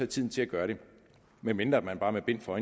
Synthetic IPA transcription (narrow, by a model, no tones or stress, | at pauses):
æt͡sʰið̰ˠn̩t͡sʰe̝læɡ̥ɶːɐɾe̝ | menmend̥ʁɐæd̥̚mænb̥ɑ̈ːmeb̥e̝n̰fɒ̽e